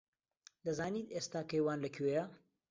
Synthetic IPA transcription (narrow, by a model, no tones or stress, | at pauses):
d̪ɐzaːniːt̪est̪aːkɐjwaːnlɐkʰejɐ